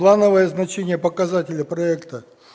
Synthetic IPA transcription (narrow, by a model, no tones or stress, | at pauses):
lˠanəvəjəznɐt͡ɕenʲɪjəpəkɐzatʲɪlʲəpɾɐɛkt̪ə